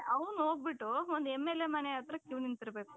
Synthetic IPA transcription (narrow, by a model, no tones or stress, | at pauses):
ɐʋnuɦoːɡ̚biʈːuond̪uemːelemɐneaːt̪ɾɐkjuːnint̪iɾɐbe̞ːku